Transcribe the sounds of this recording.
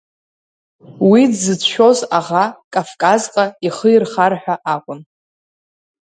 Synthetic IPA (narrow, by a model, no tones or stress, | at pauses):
widzɨt͡sʰʃᶣozaʁakʼafkʼazqʼaiχəirχarħʷᶣaʔakʷʼʊn